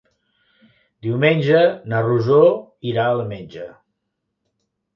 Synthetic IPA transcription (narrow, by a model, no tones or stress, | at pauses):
d̪iwmenʲʒənəruzoiɾaəlˠmenʲd͡ʒə